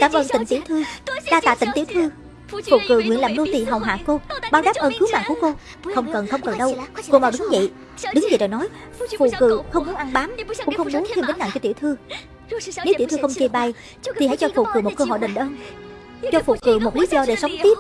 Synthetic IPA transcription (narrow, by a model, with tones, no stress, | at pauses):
kaː˧˩mʔəː˧˩nt̪ï˧˩ŋt̪i˧˥wt̪ʰɨ˧ɗaː˧t̪a̰ː˧˨t̪ï˧˩ŋ̟t̪i˧˩əwt̪ʰɨ˧ | fṵ˧˩kɨ̰˧˩ŋwḭ˧˨əlaː˧˩nlo˧t̪ḭ˧˨ɦa˨˩wɦwa̰ː˧˨ko˧ɓaː˧wɗaː˦˥p̚ʔəː˧˩nkɨ˨˦wma̰˧˨ŋku˧˩əko˧ | xə˧wŋ͡mkə˨˩nxə˧wŋ͡mkə˨˩nɗə˧wko˧maː˨˩wɗɨ˨˦ŋzə̰˧˨j | ɗɨ˨˦ŋzə̰˨jɗɔ̰˧˨jnɔ˨˦j | fṵ˧˨kɨ̰˧˨˩xə˧wŋ͡mmu˨˦nʔa˧nɓaː˨˦mkʊ̰˧˥ŋ͡mxə˧wŋ͡mmu˨˦nt̪ʰi˧mtə̈˨˦ŋ̟ʔa̰˧˨ŋt͡ɕɔ˧t̪i˧˩wt̪ʰɨ˧ | ne˨˦wt̪i˧˩wt̪ɨ˧xə˧wŋ͡mt͡ɕi˧˩ɓa˧˩j | t̪ʰi˨˩ha̰˧˥jt͡ɕɔ˧fṵ˧˩kɨ̰˨˩mo˨˩t̚kəː˧ɦɔ̰˧˨jɗə̰˧˨˩ŋ̟ʔəː˧n | t͡ɕɔ˧fṵ˧˨kɨ̰˧˩mo˨˩t̚li˨˦zɔ˧ɗe˧˩sə˨˦wŋ͡mt̪i˦˥p̚